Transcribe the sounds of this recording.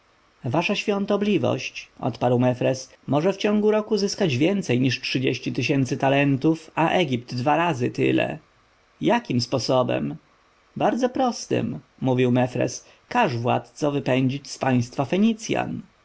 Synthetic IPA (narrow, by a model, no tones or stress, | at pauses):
vaʂaɕfʲjɔ̃nt̪ɔblʲivɔ̰ɕt͡ɕʔɔ̰t̪paɾwmɛfɾɛs | mɔʐɛft͡ɕɔ̃ŋɡuɾɔkuzɘskad͡ʑvʲjɛnt̪sɛjɲiʂʈʂɘd͡ʑeɕt͡ɕit̪ɘɕɛnt̪sɘt̪alɛnt̪ufaʔɛɡʲip̚d̪ːvaɾazɘt̪ɘ̰lɛ̰ | jakʲimspɔsɔbɛ̰m | baɾd̪zɔpɾɔst̪ɘ̰mː | uvʲiwmɛfɾɛ̰s | kaʐvwa̰t̪t̪sɔvɘpɛɲd͡ʑit͡ɕspaj̃st̪fafɛɲit̪sʲja̰n